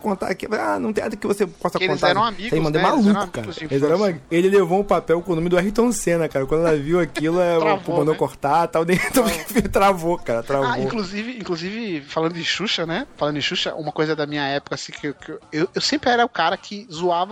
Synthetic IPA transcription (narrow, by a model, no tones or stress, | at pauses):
kõnt̪a̰ɾkifanɐ̃t̪ẽnad̪ʊkɪvosepɔst̪ɐkelõntzaɛɾɐ̃w̃amiɡsmɐ̃nd̪ẽmalˠũkʊkaɐzielɪzɛɾɐ̃ũmaelɪlevoũʊ̃papɛwkõʊnõmɪd̪ʊɛɦit̪õsẽnɐkaɾɐkwɐ̃d̪ɛlɐviwɐkilɐavmɐ̃d̪owkoɾt̪at̪awd̪ẽt̪õkfit̪ɾavokaɾɐt̪ɾavõĩkluzivɪĩkluzivɪfalɐ̃nd̪ʊd͡ʒɪʃuʃɐnɛfalɐ̃nd̪ʊɪʃuʃɐ̰ʔũmɐkojzɐd̪ɐmĩɲɐɛpʊ̥kɐasĩkɪewkewewsẽmpɾɪɛɾɐʊkaɾɐkʰɪzuavɐ